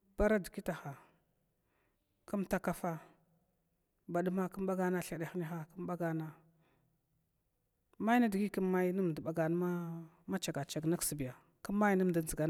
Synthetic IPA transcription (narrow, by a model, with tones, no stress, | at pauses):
b̥a˦ɾa˦di˨ki˦ta˨xa˨ | ku˦mta˦ka˦fa˦ | ba˨ɗu˦ma˦kə˦m˦ɓa˦ɡa˦na˦ɬa˨ɗa˨xni˦xa˦kə˦m˦ɓa˦ɡa˦na˨ | ma˦na˦di˨ɡi˦kə˦ma˦jnə˦m˨də˨ɓa˨ɡa˨n˦a˦ | ma˦t͡ʃa˨ɡa˨t͡ʃa˨ɡna˦ksi˨bi˨ja˨ | kə˦mː˦a˦jnə˦m˨də˨zə˨ɡa˨